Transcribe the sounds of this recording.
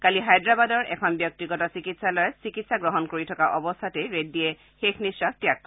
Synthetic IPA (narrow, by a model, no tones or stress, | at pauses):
kaliɦajdɹabadɔɹɛkʰɔnbjɔk̚tiɡɔtasikitsalɔjɛsikitsaɡɹɔɦɔnkoɹitʰɔkaʔɔbɔst̪ʰatɛɹet̚dijɛ | xexnisatjakː